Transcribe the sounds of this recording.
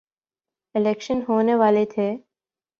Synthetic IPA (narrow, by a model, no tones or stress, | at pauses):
ɪlekʃənɦoːneːʋaːlet̪ʰeː